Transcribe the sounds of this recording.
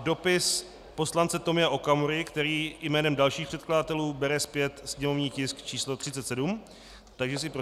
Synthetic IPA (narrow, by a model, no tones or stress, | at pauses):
do̞pɪs | po̞slant͡sɛt̪o̞mɪaʔo̞kamoɾɪkt̪ɛɾiːjmɛːnɛmdalʃiːxpr̥ɛt̪kladat̪ɛluːbɛɾɛspjɛt̪sɲɛmo̞vɲiːcɪskt͡ʃiːslo̞t̪r̝ɪt͡sɛt̪sɛdum | t̪aɡʒɛs̬ɪpɾo